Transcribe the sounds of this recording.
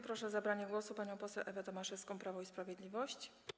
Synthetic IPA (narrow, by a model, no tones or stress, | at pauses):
pɾɔʂɛzabɾaɲɛɡwɔsupaɲɔ̃w̃pɔsɛwʔɛvɛt̪ɔmaʂɛfskɔ̃w̃pɾavɔispɾavʲjɛd̪lʲivɔɕt͡ɕ